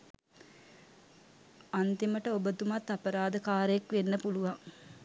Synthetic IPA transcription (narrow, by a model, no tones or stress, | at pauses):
ant̪iməʈəobət̪umat̪ːapəɾaːd̪əkaːɾəekʋenːəpuluʋaŋ